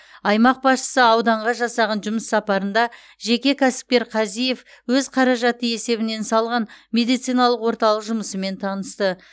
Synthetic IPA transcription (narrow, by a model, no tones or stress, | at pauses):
ɑjmɑq̚bɑsʃə̥səɑwd̪ɑɴʁɑʒɑsɑʁɑnʒʊməsːɑpɑɾənd̪ɑ | ʒe̞kʲe̞kʲʰæsɪ̥p̚kʲe̞ɾqʰɑzije̞f | wɵzqʰɑɾɑʒɑt̪əe̞se̞βɪne̞nsɑlˠʁɑnme̞d̪ijt̪sijnɑlˠəqwo̞ɾt̪ɑlˠəqʒʊməsəme̞nt̪ʰɑnəst̪ə